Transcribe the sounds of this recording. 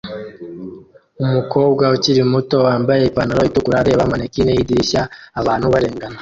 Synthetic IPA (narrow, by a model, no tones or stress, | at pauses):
umuko̞ːbɡwauciɾimuto̞waːmbaje̞ipanaɾoitukuɾaɾeβamanekinejidiʃaːβaːnhuβaɾeːŋɡana